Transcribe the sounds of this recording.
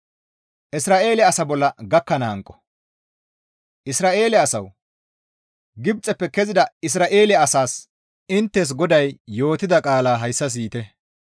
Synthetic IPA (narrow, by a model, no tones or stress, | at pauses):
ʔɪsɾaːʔe̞ːlɛɐsɐbɔlːɐɡɐkːɐnaːŋkʼːɔ̥ | ʔɪsɾaːʔe̞ːlɛɐsɐw | ɡɪbt͡sʼɛpːɛkɛzɪd̪ɐɪs̬ɾaːʔe̞ːlɛɐsaːs | ɪnt̪ːɛs̬ɡɔd̪ɐjːo̞ːt̪ɪd̪ɐkʼaːlaːɦɐjsːɐs̬iːt̪ɛ